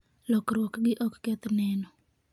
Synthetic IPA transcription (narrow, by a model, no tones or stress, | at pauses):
lɔkɾwɔkɡɪʔɔkːɛt̪nɛnɔ